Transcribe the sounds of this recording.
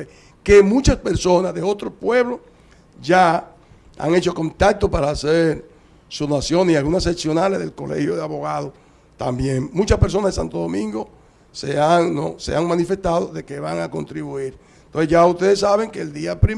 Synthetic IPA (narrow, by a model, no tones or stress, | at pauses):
e | kemũt͡ʃaspe̞ɾso̞nasðeo̞t̪ɾospwe̞βlos | ʝa | a̰ŋet͡ʃo̞ko̞nt̪ak̚t̪opaɾaːseɾ | sunasjo̞nialɣunaseksjo̞naleðe̞lko̞le̞̰hjoðeaβo̞ɣaðo | t̪ambje̞ŋmũt͡ʃaspeɾs̬o̞nazðesa̰nt̪oðo̞mĩŋɡo̞ | seaŋno̰se̞̰aŋmãnife̞st̪aðoðe̞keβaŋako̞̰nt̪ɾiβuiɾ | nt̪onsesʝaust̪e̞ðesːaβe̞ŋkeːld̪iapɾi